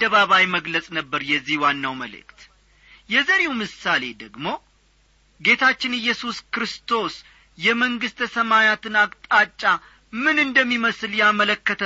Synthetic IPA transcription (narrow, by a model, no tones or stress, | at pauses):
d̪ːəβaβajməɡləsʼnəbːəɾjɛzːihwanːawməlɨ̰kt̪ | jɛzəɾewmɨsale̞d̪əɡmo̞ | ɡe̞t̪ʰat͡ʃːɪnɨjːɛsuskɾɨst̪ʰo̞s | jɛməŋɡɨst̪ʰəsəmajat̪ɨnakʼt̪ʼat͡ʃʼːa | mɨnɨnd̪əmːiməsɨljamələkːət̪ʰə